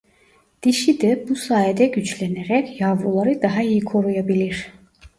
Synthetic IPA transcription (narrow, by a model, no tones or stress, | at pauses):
d̪̥iʃid̪ɛbusaːjɛd̪ɛɟyt͡ʃlʲæneɾɛcjɑvɾulˠaɾɯd̪ɑɦɑijikʰo̞ɾujabilʲiɾ̥